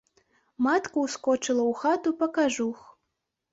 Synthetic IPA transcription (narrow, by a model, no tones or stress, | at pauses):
mat̪kuwskɔt͡ʂɨlˠɐwxat̪upɐkaʐux